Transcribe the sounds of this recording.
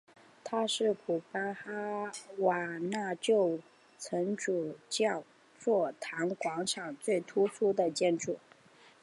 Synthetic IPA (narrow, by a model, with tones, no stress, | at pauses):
t̪ʰa˥ʂɻ̩˥˩kʰu˨˩pa˥xa˥wa˨˩na˥˧t͡ɕjo˥˧ʊ | t͡sʰə˧˥nʈ͡ʂu˨˩t͡ɕjɑ˥˧ʊ | t͡swɔ˥˩t̪ʰa˧˥nkwɑ˧˥ŋʈ͡ʂʰɑ˨˩ŋt͡swe˥˩ɪt̪ʰu˥su˥d̪ə˨t͡ɕjɛ˥˧nʈ͡ʂu˥˩